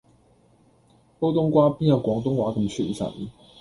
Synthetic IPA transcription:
po˥ʊt̪ʊ˥ŋkwa˥pi˥˨jɑ˥˩kwɑ˧˥ŋt̪ʊ˥ŋwa˨˥kə˨˩m˨t͡ɕʰy˥˨i˨˥sa̰˨˩n˨˦

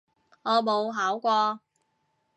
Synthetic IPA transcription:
ŋɔː˨˧mo˨˧wɦaː˨˥wkʷɔː˧

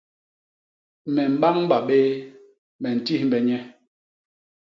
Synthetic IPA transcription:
mɛ˨m̩˨ba˦ŋm˦ba˨ɓe˦ | mɛ˨n̩˨ti˦hm˨bɛ˨ɲɛ˦

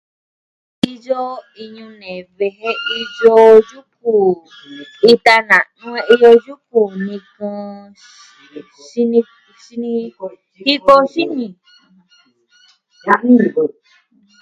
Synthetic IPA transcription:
i˧d͡ʒo˦ | i˧ɲũ˧nẽ˨βe˧ɦe˦i˧d͡ʒo˧d͡ʒu˦ku˨ | i˧t̪a˧nã˨nũ˦e˧ʔi˧jo˧d͡ʒu˦ku˨nĩ˧kã˧ | ʃi˧nĩ˧ | ʃi˧nĩ˧ | i˦ko˦ʃi˦nĩ˨˧˦

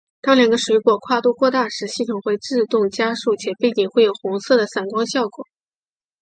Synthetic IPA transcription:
t̪ɑ˥ŋljɑ˨˩ŋɡə˦ʂwe˧˥ɪkwɔ˨˩kʰwa˥˧t̪u˥˧kʰwɔ˥˧t̪a˥˩ʂɻ̩˧˥ɕi˥˩t̪ʰʊ˨˩ŋxwe˥˧ɪʈ͡ʂɻ̩˥˧t̪ʊ˥˩ŋt͡ɕja˥ʂu˥˩t͡ɕʰjɛ˨˩pe˥˩ɪt͡ɕi˨˩ŋxwe˥˩jo˨˩ʊxʊ˧˥ŋsɤ˥˩d̪ə˩sa˨˩nkwɑ˥ŋɕjɑ˥˩ʊkwɔ̰˨˩˦

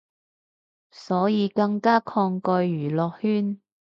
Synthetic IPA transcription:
sɔː˨˥jiː˨˧kɐ˧ŋkaː˥kʰɔː˧ŋkɔː˧jjyː˨˩lɔː˨k̚hyː˥n

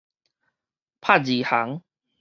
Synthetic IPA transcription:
pʰa˥˨d͡ʑi˨˩ha˨˦ŋ

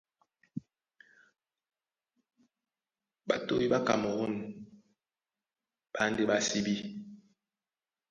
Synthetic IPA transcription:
ɓa˨to˦i˦ɓa˦ka̰˨mo˨ɣu˦n | ɓ̥a˦nde˦ɓa˦si˦bi˦

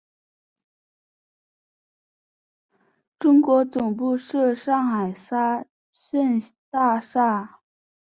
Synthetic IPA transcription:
ʈ͡ʂʊ˥ŋkwɔ˧˥t͡sʊ˨˩ŋp̬u˥˧ʂɤ˥˧ʂɑ˥˩ŋxa˨˩ɪsa˥ | ɕə˥˧n | t̪a˥˧ʂa˥˩

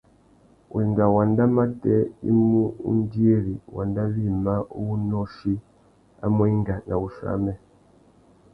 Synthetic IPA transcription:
u˨i˨ŋɡa˨wa˨nda˦ma˦tɛ˦ḭ˦mu˦ṵ˦n˦di˦e˦ɾi˨wa̰˨nda˦βi˦˨ma˦u˦wu˦nɔ˦ʃi˦ | a̰˦mwɛ˦i˦ŋɡa˨na˨u˨ʃa̰˦mɛ˦

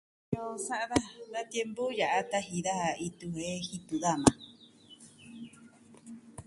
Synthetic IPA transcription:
ɲõ˧sa˦ʔða˦d̪a˧t̪je˧mbu˦ja˨ʔa˦t̪a˧ɦi˧ða˦ha˧˨i˧t̪u˧he˦hi˧t̪u˨ða˦mã˨

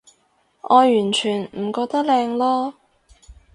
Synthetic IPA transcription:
ʔɔː˨˧jyː˨˩nt͡ʃʰyː˨˩nm̩˨˩kɔː˧k̚t̪ɐ˥k̚lɛː˧ŋlɔː˥

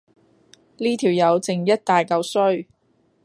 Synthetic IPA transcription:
liː˥t̪ʰiː˨˩wjɐ˨˧wt͡sɪ˨ŋjɐ˥t̚t̪aː˨jkɐ˧wsɵ˥ɥ

